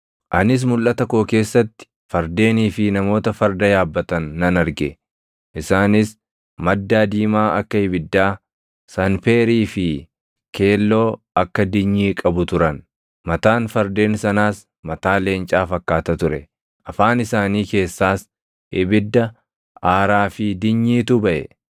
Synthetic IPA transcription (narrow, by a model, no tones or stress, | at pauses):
ʔɐnɪs̬mʊlʔɐt̪ɐkoːke̞ːsːɐt̪ːɪ̥ | fɐɾd̪e̞ːniːfɪnɐmo̞ːt̪ɐfɐɾd̪ɐjaːbːɐt̪ɐnːɐnɐɾɡɛ | ʔɪsaːnɪs | mɐd̪ːaːd̪iːmaːɐkːɐɪbɪd̪ːaː | sɐnfeːɾiːfɪ | kʰe̞ːlːo̞ː | ɐkːɐd̪ɪɲːiːkʼɐbʊt̪ʊɾɐn | mɐt̪aːnfɐɾd̪e̞ːnsɐnaːs | mɐt̪aːle̞ːnt͡ʃʼaːfɐkːaːt̪ɐt̪ʊɾɛ | ʔɐfaːnɪsaːniːke̞ːsːaːs | ʔɪbɪd̪ːɐ | ʔaːɾaːfid̪ɪɲːiːt̪ʊbɐʔɛ̰